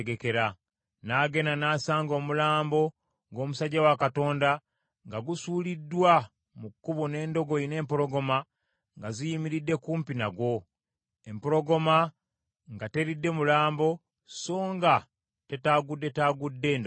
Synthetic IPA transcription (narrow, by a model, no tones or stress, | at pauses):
ɡe̞ke̞ɾa | naːɡe̞nanaːsaːŋɡo̞ːmulaːmbo̞ | ɡo̞ːmusaɟawakato̞ːnda | ŋɡaɡusuːlidːwa | mukːuβune̞ːndo̞ɡo̞ine̞ːmpoɾo̞ɡo̞ma | ŋɡazijimiɾidːe̞kuːmpinaɡwo̞ | empoɾo̞ɡo̞ma | ŋɡate̞ɾidːe̞mulaːmbo̞ | so̞ːŋɡa | te̞taːɡudːe̞taːɡudːe̞ːnd